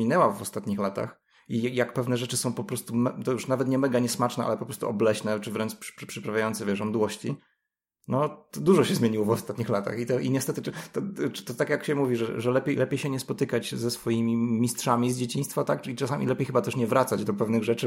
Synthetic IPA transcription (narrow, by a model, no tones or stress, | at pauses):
inɛwavɔst̪at̪ɲixlat̪a̰x | ijjak̚pɛvnɛʐɛt͡ʂɘsɔ̃w̃pɔpɾɔst̪umɛt̪ɔjuʂnavɛt̪ɲɛmɛɡaɲɛsmat͡ʂnɛʔa̰lɛpɔpɾɔst̪uɔblɛɕnɛt͡ʂɨvɾɛnt͡ʂpʂpʂpʂɨpɾavʲjajɔnt̪sɛvʲjɛʐɔnd̪wɔɕt͡ɕi | nɔt̪ɔd̪uʐɔɕɛzmʲjeɲiwɔvɔst̪at̪ɲixlat̪a̰xit̪ɔʔiɲɛst̪ɛt̪ɘt̪ɔ̥t̪ɔt̪akjakɕɛmuvʲiʐɛʐɛlɛpʲjejlɛpʲejɕɛɲɛspɔt̪ɘkat͡ɕzɛsfɔjimʲimʲistʂamʲizd͡ʑet͡ɕĩɲ̃st̪fat̪akit͡ʂasamʲḭlɛpʲejxɘbat̪ɛʂɲɛvɾat̪sad͡ʑd̪ɔpɛvnɘɣʐɛt͡ʂɘ